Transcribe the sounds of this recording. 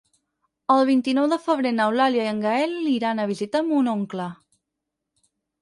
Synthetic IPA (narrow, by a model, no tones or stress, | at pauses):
əlˠβint̪inɔwðəfəβ̞ɾenəwlaljaiəŋɡaɛlːiɾanəβ̞izit̪əmunoŋklə